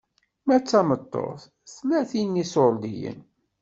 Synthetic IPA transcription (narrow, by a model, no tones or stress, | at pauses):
mæt͡sːæmət̪ˤːo̰θ | θlːæθinːisold̪ijə̰n